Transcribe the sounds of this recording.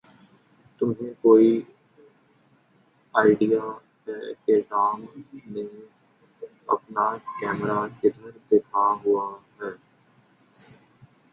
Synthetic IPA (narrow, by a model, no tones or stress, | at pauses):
t̪ʊmɦẽkoːi | aːɪɖija | keʈaːmnẽ | ɐ̰pnakɛːmɾakɪd̪ʱəɾd̪ɪkʰaɦʊaɦɛː